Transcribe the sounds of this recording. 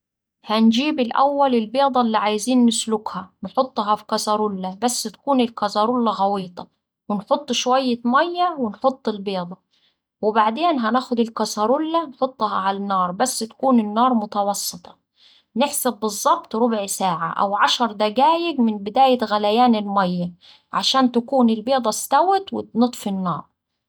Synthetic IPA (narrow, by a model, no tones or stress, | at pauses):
hænd͡ʒiːbɪlʔæ̰wːælɪlbeːd̪ˤɑlːiʕajziːnːɪslʊkhænħot̪ˤːɦɑfi̥kɑsɑɾˤʊlːabæsːɪt̪ḁkuːnɪlkɑzɑɾˤulːaɣɑwiːt̪ˤɑ | wɪnħot̪ˤːʃwæjːamæjːæwɪnħot̪ˤːɪlbeːd̪ˤɑ | wɪbaʕd̪eːnɦænæːxʊd̪ɪlkɑsɑɾˤʊlːanħot̪ˤːɦɑʕalanːɑːɾˤbasːt̪ḁkuːnɪnːɑːɾˤmʊt̪ɑwɑsˤːɨt̪ˤɑ̥ | nɪħsabːɨzˤːɑbt̪ˤɾʊbʕsaːʕa̰ʔa̰wʕaʃɑɾˤd̪æɡaːjɪɡmɪnbɪd̪aːjɪt̪ɣælajaːnɪlmæjːa | ʕaʃaːnt̪akuːnɪlbeːd̪ˤɑst̪awɪt̪wɪnɨt̪ˤfinːɑ̰ːɾˤ